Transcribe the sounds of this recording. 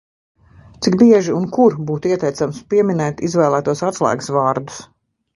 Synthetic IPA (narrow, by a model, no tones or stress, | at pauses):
t̪siɡbiɛʒiunkuɾbuːt̪iɛt̪ɛjt̪samspiɛminɛːt̪izvɛːlˠæːt̪uɔsat̪slˠæ̰ːɡsvaːɾd̪u̥s